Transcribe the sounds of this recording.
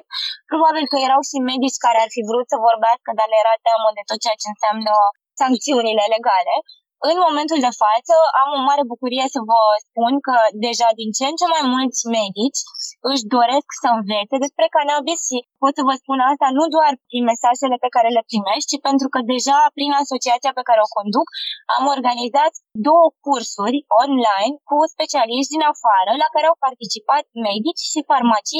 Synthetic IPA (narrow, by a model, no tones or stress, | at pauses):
pɾo̞babilkəje̞ɾawʃime̞d̪it͡ʃʲkaɾe̞arfivɾut̪səvo̞rbeaskəd̪arnejeɾat̪eməd̪e̞t̪o̞t̪̚t͡ʃeat͡ʃe̞ɨnsamnə | saŋk̚t̪siunile̞le̞ɡale̞ | ɨnmo̞me̞nt̪uld̪e̞fat̪səamo̞maɾe̞bukuɾije̞səvəspunkəd̪e̞ʒad̪int͡ʃe̞nt͡ʃe̞majmult̪sʲme̞d̪it͡ʃʲɨʃ̬d̪o̞ɾe̞sksəɨnve̞t̪sed̪e̞spɾe̞kanabisʃipo̞t̪səvəspunast̪anud̪oarpɾinme̞saʒe̞le̞pe̞kaɾe̞le̞pɾime̞ʃt̪̚ʲt͡ʃipe̞nt̪ɾukəd̪e̞ʒapɾinaso̞t͡ʃiat̪siape̞kaɾeo̞ko̞nd̪uka̰mo̞rɡanizat̪d̪o̞wəkursurʲo̞nlajnkuspe̞t͡ʃialiʃt̪d̪inafaɾəlakaɾeawpart̪it͡ʃipat̪̚me̞d̪it͡ʃʲʃifarmat͡ʃij